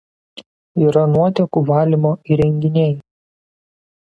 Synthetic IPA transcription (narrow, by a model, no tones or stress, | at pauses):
iːɾɐnuɔt̪ʲɛkuʋɑːlʲimoːiɾʲɛŋʲɡʲɪnʲɛɪ